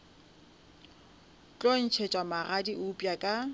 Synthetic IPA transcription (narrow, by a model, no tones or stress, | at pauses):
t͡ɬʼɔn̩t͡ʃʰet͡ʃʼwamaɣadiʔʊpʼjakʼa